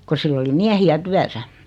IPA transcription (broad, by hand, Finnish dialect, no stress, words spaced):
ko silː oli miæhiæ tyæsæ